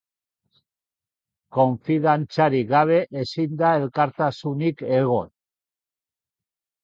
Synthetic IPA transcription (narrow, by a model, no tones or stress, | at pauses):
ko̞ɱfiðant͡saɾiɣaβ̞e̞ʔesind̪ae̞lkaɾt̪asunike̞ɣ̞o̞n